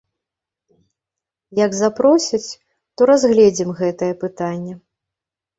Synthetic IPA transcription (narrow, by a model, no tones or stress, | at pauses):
jɐɡzapɾɔsʲɐt͡sʲ | t̪ɔɾazɣlʲɛd͡zʲimɣɛt̪ɐjɛpɨt̪anʲːɛ